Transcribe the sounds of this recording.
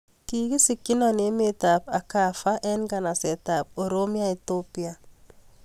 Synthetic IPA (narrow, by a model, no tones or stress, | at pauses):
kikisikːinanemet̪apakafaʔɛnɡanasɛt̪ap̚oɾomiait̪opia